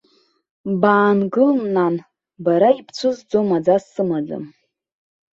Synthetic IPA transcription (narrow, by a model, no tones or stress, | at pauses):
baːnɡɨlmnan | baɾaipʰt͡sʷʰɨzd͡zomad͡zasɨmad͡za̰m